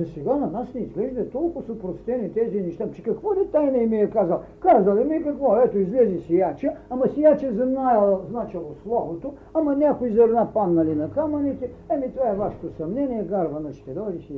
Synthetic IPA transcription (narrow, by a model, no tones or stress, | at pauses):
zɐsɛɡanɐnasnɛizɡlɛʒd̪ɐt̪ɔlˠkʊsopɾost̪ɛnit̪ɛzinɛʃt̪at͡ʃɛ̥kɐkvɔlɛt̪ajnɛimiɛkazalˠkazɐlimiɛkɐkvɔɛt̪oizlɛzisijat͡ʃɐɐmɐsijat͡ʃɛzɐnajɐlˠznat͡ʃɛlˠoslˠɔvot̪o | ɐmɐnʲakoizɐɾnapannɐlinɐkamɐnit̪ɛɛmit̪ovaɛvaʃɛ̥t̪osɐmnɛnʲiɛɡaɾvɐnɐt͡ʃt̪ɛd̪ɔɾisi